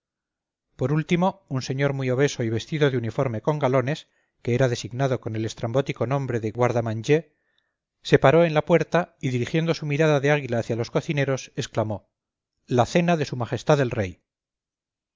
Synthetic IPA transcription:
po̞ɾult̪imo̞unse̞ɲo̞ɾmuio̞β̞e̞so̞iβ̞e̞st̪iðo̞ðeunifo̞ɾme̞ko̞ŋɡalo̞ne̞s | ke̞eɾaðe̞siɣnaðo̞ko̞ne̞le̞st̪ɾambo̞t̪iko̞nõ̞mbɾe̞ðeɣwaɾðamaɲd͡ʒe̞ | se̞paɾo̞e̞nlapwe̞ɾt̪aiðiɾixje̞nd̪o̞sumiɾaðaðe̞aɣilaːθjalo̞sko̞θine̞ɾo̞se̞sklamo̞ | laθe̞naðe̞sumaχest̪aðe̞lre̞j

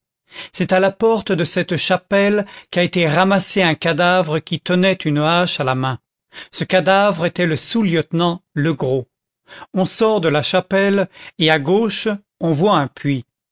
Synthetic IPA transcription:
sɛt̪alapɔʁt̪d̪əsɛt̪ʃapɛlkʲaet̪eʁamaseɛ̃kad̪avʁəkʲit̪ənɛt̪ynaʃalamɛ̃ | səkad̪avʁet̪ɛləsuljət̪nɑ̃ləɡʁo | ɔ̃sɔʁd̪əlaʃapɛleaɡoʃ | ɔ̃vwaɛ̃pɥi

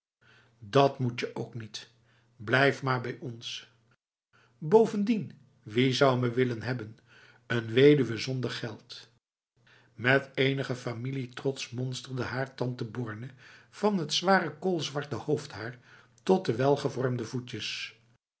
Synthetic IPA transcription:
dɑtmut͡ʃəʔowknit | blɛjfmaːɹbɛjɔns | bowvəndin | ʋizʌwməʋɪlənɦɛbən | ənʋejdyʋəzɔndəɹχɛlˠt | mɛtejnəχəfamilitrɔtsmɔnstəɹdəɦaːɹtɑntəbɔːɹnəv̥ɑnɦətsʋaːrəkoːlˠzʋɑɹtəhowfthaːɹ | tɔt̚dəʋɛlˠχəvɔɹmdəvucəs

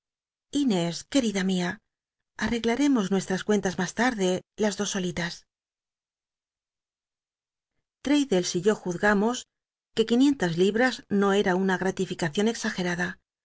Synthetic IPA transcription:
ine̞ske̞ɾiðamia | are̞ɣlaɾe̞mo̞znwe̞st̪ɾaskwe̞nt̪azmast̪aɾðe̞lazðo̞so̞lit̪as | t̪ɾe̞jðe̞lsiʝo̞xuθɣamo̞s | ke̞kinje̞nt̪azliβɾazno̞e̞ɾaunaɣ̞ɾat̪ifikaθjo̞ne̞ksaxe̞ɾaða

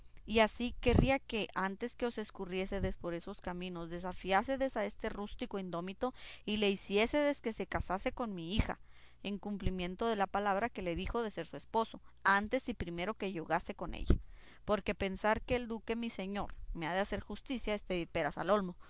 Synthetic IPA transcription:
iasike̞riake̞ʔant̪e̞ske̞ose̞skurje̞seðespo̞ɾe̞so̞skamĩno̞zðe̞s̬afjaseðe̞sae̞st̪erust̪iko̞ind̪o̞mit̪o̞ile̞isje̞seðe̞ske̞se̞kasase̞ko̞nmiixa̰ | eŋkumplimjẽ̞nt̪o̞ðe̞lapalaβɾake̞le̞ðixo̞ðe̞se̞ɾsuespo̞so̞ant̪e̞sipɾime̞ɾo̞ke̞ʝo̞ɣase̞ko̞nḛʝa̰ | po̞ɾke̞pe̞nsaɾke̞ːld̪uke̞mise̞ɲo̞ɾmeaðease̞ɾxust̪isjaespeðiɾpe̞ɾasa̰lo̞lmo

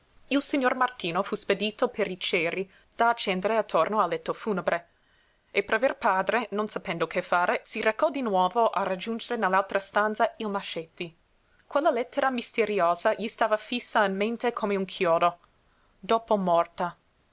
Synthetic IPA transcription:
ilsiɲːormart̪iːnofusped̪iːt̪opʰeɾit͡ʃɛːɾi | d̪̥aːt͡ʃːɛnd̪eɾeat̪ʰːornoalːɛt̪ːofuːnebɾe | epeɾaverpaːd̪ɾenonsapɛnd̪okʰefaːɾesirekɔd̪inwɔːvoʔarad͡ʒund͡ʒeɾenelːalt̪ɾast̪ant̪sailmaʃɛt̪ːi | kwelːalɛt̪ːeɾamist̪eɾioːzaʎist̪aːvafisːainmẽnt̪ekʰomeuŋkʰjɔːd̪o | d̪oːpomɔrt̪a

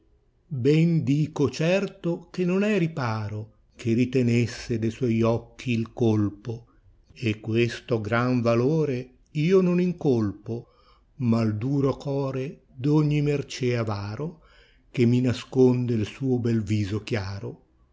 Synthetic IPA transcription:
bɛnd̪iːkot͡ʃɛrt̪okenːonɛripaːɾo | k̟ʰerit̪enesːed̪ejswɔjɔkːiːlkolpo | ekːwest̪oɡɾaɱvaloːɾe | iːononiŋkolpo | mald̪uːɾokʰɔːɾe | d̪oɲːimert͡ʃɛavaːɾo | k̟emːinaskond̪elsuːobɛlviːzok̟jaːɾo

